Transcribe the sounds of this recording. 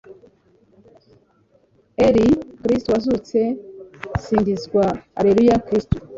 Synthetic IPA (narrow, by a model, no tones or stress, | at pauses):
eɾikɾistowazut͡se̞ | siːɲɟizɡwaa̰ɾeɾujakɾistu̥